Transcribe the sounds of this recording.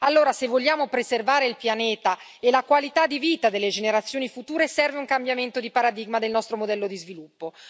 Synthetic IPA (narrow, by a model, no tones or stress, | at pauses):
alːoːɾasevːoʎːaːmopɾezervaːɾeilpjaneːt̪a | elakwalit̪ad̪ːiviːt̪ad̪elːed͡ʒeneɾat̪sːjoːnifut̪uːɾesɛrveuŋkambjament̪od̪ipaɾad̪iɡmad̪elnɔst̪ɾomod̪ɛlːod̪izvilupːo